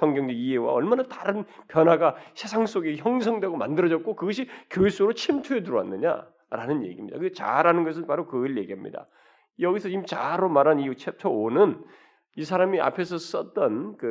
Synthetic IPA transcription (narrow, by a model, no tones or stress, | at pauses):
sʰʌŋɡjʌŋd͡ʑeiɦewa̰ʌɭmanataɾɯnpjʌnɦaɡasʰe̞sʰaŋs͈oɡeçjʌŋs̬ʰʌŋdwe̞ɡomandɯɾʌd͡ʑʌt̚k͈okɯɡʌɕ̬ʰikjoes͈oɾot͡ɕʰimtʰuetuɾowa̰nːɯɲa̰ | ɾanɯnjḛɡimɲidakɯt͡ɕa̰ɾanɯnɡʌs̬ʰɯnpaɾokɯɭje̞ɡiɦamɲḭda̰ | jʌɡisʰʌimt͡ɕaɾomaɾɦaniut͡ɕʰep̚tʰoonɯn | is̬ʰaɾamiʔa̰pʰe̞sʰʌs͈ʌt̚t͈ʌnkɯ